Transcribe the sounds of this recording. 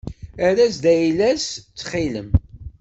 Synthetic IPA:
æɾæsd̪æjlæst͡sːχilə̰m

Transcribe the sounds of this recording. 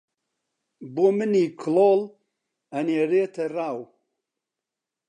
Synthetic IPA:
boːmɨniːkʰloːl | ɐneːɾeːt̪ʰɐraːw

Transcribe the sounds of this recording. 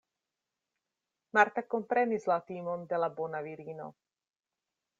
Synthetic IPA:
maɾt̪ako̞mpɾe̞nislat̪imo̞nde̞labo̞naviɾino̰

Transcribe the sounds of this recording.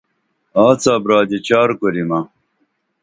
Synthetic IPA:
aːt͡saːbɾaːd̪it͡ɕaːɾkoɾima

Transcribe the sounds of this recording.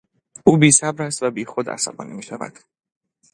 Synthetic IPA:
uːbiːsæbɾæs̬t̪væbiːxod̪æ̰sa̰bɒ̰ːnimiːʃævæ̰d̪̥

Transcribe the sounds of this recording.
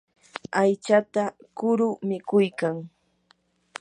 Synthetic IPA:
ajt͡ʃat̪a | kʊɾʊmɪkʊjkaŋ

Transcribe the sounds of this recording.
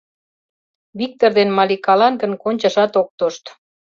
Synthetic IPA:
βik̚t̪ord̪enmɑlikɑlɑnɡənkonʲt͡ɕɑʃɑt̪ok̚t̪oʃt̪

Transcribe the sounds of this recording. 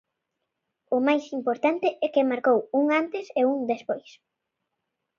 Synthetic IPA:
ʊmajsimpoɾt̪ant̪ɪʔɛkɪmaɾkowuŋant̪ɪseuŋd̪espojs

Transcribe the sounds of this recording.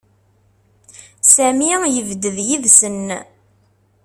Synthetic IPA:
sæmijəvd̪əðjiðsən

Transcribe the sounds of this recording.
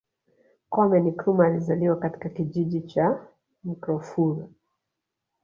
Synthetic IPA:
kɔmɛnikɾumaːlizaliwakati̥kakiʄiʄit͡ʃa | mikɾɔfuɾa

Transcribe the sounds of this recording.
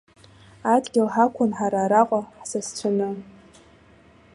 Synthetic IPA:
adɡʲɪlħakʷʰʊnħaɾaːɾaqʷʼaħsast͡ɕʷʰanɨ

